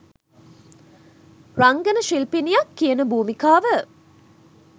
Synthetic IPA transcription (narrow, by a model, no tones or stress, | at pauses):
raŋɡənəʃilpinijakːijənəbuːmikaːʋə